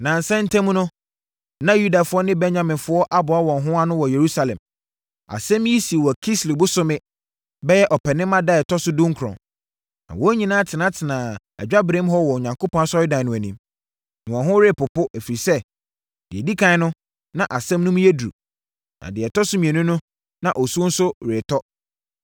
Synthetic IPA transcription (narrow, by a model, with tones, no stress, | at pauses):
nã˨n˨sɛ˦n̩˦tʰæ̃˦m˦nʊ̃˦ | nã˦ju˦da˨fʊ˦ɔ˦nɪ̃˦bɛ˦ɲã˨mɪ̃˨nfʊ˦ɔ˦ʔa˦bʊ˨a˦wɔ̃˨ŋ˨ɦʊ̃˦a˦nʊ̃˦wɔ˨je˨ɾu˦sa˨lɛ̰̃˨m | a̰˨sɛ̃˦m˦i˦si˨e˨wɔ˨kʰi˦sli˨bʊ˦sʊ˦mɪ̃˦ | bɛ˦jɛ˦ʔɔ˨pʰɛ˨nɪ̃˦mã˦da˦ɛ˨tʰɔ˦sʊ˦dʊ̃˦ŋ˦kʰɾɔ̰̃˨ | nã̰˨wɔ˦ɲĩ˨nãː˦a˦tʰɪ˨nã˨˦tʰɪ˨nãː˨ | æ̰˨d͡ʑᶣa˦bɾẽ˦mɦɔ˦wɔ˨o˨ɲã˨ŋko˦pʰɔ̃˦na˦sɔ˦ɪ˦dã˨nʊ̃˨æ˨nĩ˦m | nɪ̃˨wɔ̃˨nɦʊ̃˦ɾɪː˦˨pʊ˨pʊ˦ʔæ˨fi˨ɾi˨sɛ˦ | d̥ɪ̰˨ɛ˨di˦kʰã˦nʊ̃˦ | nã˨ʔa˨sɛ̃˦mnʊ̃˦m̃˦jɛ˦dɾṵ˨ | nã̰˨dɪ˨ɛ˨tʰɔ˦sʊ˦mĩ˨ɛ̃˨nʊ̃˦nʊ̃˦ | nã̰˨ʔɔ˨su˦n̩˦sʊ˦ɾe˨tʰɔ˦